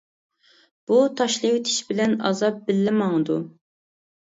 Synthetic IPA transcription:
b̥ut̪ʰɑʃlˠɨwt̪ʰi̥ʃbɪlɛnɑ̰zɑp̚bɪlːɪmɑŋd̪u

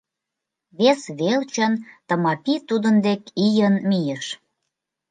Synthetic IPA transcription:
βesβelt͡ɕənt̪ə̆mɑpit̪ud̪ə̆nd̪ekijənmijəʃ

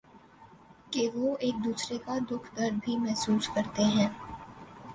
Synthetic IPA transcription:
keʋoːeːk̚d̪uːsɾekad̪ʊkʰd̪ɐɾbʱimɛɦsuːskɐɾt̪eɦɛ̃ː

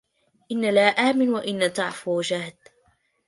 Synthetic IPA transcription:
ʔɪnːalaːʔaːmɪnwaʔɪnːat̪ɑʕfʊwd͡ʒaːd̪

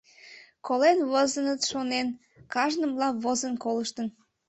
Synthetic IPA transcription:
kolenβozənət̪ʃonen | kɑʒnəmlɑβozənkoləʃt̪ən

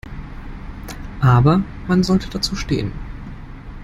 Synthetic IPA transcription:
ʔaːbɐ | manzɔltəd̥at͡suːʃtḛːən

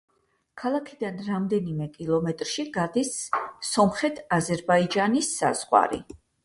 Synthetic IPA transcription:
kʰalˠakʰid̪anɾamd̪ɛnimɛkʼilˠɔmɛt̪ʼɾʃiɡad̪isːɔmχɛt̪ʰazɛɾbaid͡ʒanisːa̰z̥ʁwa̰ɾḭ

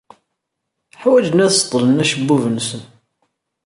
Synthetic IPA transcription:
ħwæd͡ʒənæθst̪ˤːlənæʃəbːuvənsən

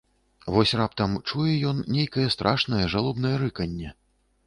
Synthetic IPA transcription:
vɔsʲrapt̪ɐmt͡ʂujɛjɔnːʲejkɐjɛst̪ɾʔaʂnɐjɐʐalˠubnɐjɐɾɨkɐnʲːɛ

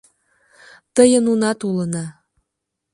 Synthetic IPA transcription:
t̪əjənunɑt̪ulənɑ

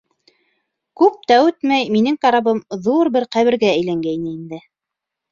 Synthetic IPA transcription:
kʉp̚t̪æʉt̪mæjminɘŋkɑɾɑβɤmðuɾbɘɾqæβɘ̆ɾɡæɘ̆jlæŋɡæjnɘind̪ɘ

